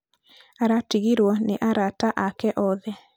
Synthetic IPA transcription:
aɾatiɣiɾwɔneʔaɾataʔakɛʔɔðɛ

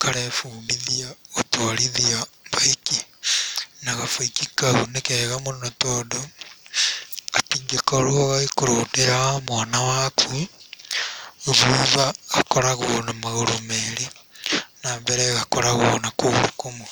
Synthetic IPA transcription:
kʰaɾɛfuːmbiðiaotoɾiðiaβaeki | naɣafoikikaonekeɣamonnotodo | atiːŋɡekoɾwoɣaekoɾodeɾamwaːnawakʰu | oðuβaːkoɾaɣoonamaɣoɾomeɾe | naːmbɛɾɛɣakoɾaɣonakoɣɾukomu

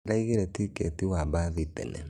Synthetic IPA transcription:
ɾaiɣeɾetiketiwabaðitɛ̰nɛ̰

